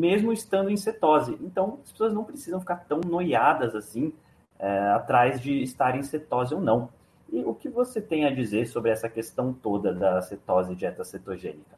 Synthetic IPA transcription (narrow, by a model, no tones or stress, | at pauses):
mezmʊɪst̪ɐ̃nd̪ʊẽj̃set̪ɔzɪʔẽnt̪ɐ̃w̃ɐspesoɐznɐ̃w̃pɾesizɐ̃fi̥kaɾt̪ɐ̃w̃nojad̪ɐzasĩ | ɛat̪ɾajzd͡ʒɪːst̪aɾẽj̃set̪ɔzɪownɐ̃w̃ | ɪʊkɪvoset̪ẽj̃ɐd͡ʒizeɾsobɾɪɛsɐkest̪ɐ̃w̃t̪od̪ɐd̪ɐset̪ɔzɪd͡ʒɪɛt̪ɐset̪oʒḛ̃nikɐ